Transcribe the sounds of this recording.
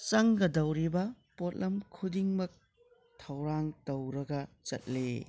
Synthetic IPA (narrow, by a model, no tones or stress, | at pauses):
t͡ʃɐŋɡɐdɐwɾibɐ | pot̚lɐmkʰudiŋmɐk̚ | tʰɐwɾaŋtɐwɾɐɡɐt͡ʃɐ̰t̚lḛ